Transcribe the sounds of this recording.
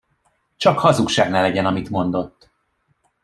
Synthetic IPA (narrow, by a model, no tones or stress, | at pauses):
t͡ʃɒkhɒzukʃaːɡnɛlɛɟɛnɒmit̪mo̞nd̪o̞t̪ː